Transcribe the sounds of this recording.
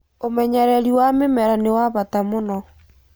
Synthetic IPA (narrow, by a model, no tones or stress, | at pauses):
omɛɲɛɾɛɾiwamemɛɾanewaβatamonɔ